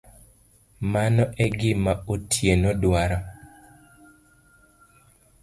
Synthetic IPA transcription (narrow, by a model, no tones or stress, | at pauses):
manɔʔɛɡɪmaotʰjenɔdwaɾɔ